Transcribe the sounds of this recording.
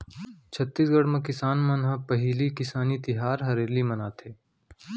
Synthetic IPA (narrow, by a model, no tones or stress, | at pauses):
t͡ʃʰɐt̪ːiːsɡɐɽmɐ̃kɪsaːnmɐnɦɐpɐɦiːlikɪsaːnit̪ɪɦaːɾɦɐɾeːɾlimɐnaːt̪ʰeː